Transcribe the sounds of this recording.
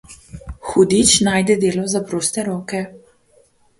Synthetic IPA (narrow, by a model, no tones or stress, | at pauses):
xud̪it͡ʃnaːjd̪ɛd̪eːlɔzapɾoːst̪ɛɾɔːkɛ